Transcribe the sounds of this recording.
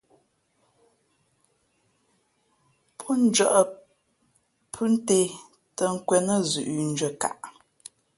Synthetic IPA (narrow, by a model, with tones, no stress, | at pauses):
pʰɔ˦n˦d͡ʒɥə˦˨ʔə˨ | pʰʉ˦n̩˦te˨ | tə˨ŋ̩˦kwɛ˨nə˦˨zʉ˨ʔn̩˦d͡ʒɥə˨ka̰˨ʔ